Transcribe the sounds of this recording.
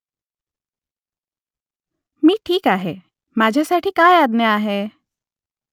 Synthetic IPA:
miːʈʰiːkaːɦe | maːd͡ʒʱasaːʈʰikaːjaːd̪neaːɦe

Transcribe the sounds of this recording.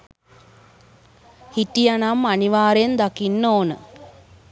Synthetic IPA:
hitijanamːaniʋaːɾend̪akinːoːnə

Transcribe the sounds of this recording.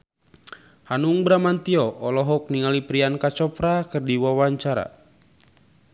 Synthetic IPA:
hanuŋbɾamant̪iɔʔɔlɔɦɔk̚niŋalipɾiankat͡ʃɔpɾakɨrdiwawaɲt͡ʃaɾa̰

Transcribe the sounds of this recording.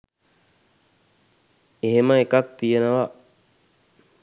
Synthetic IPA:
eɦeməekak̚t̪ijenəʋa

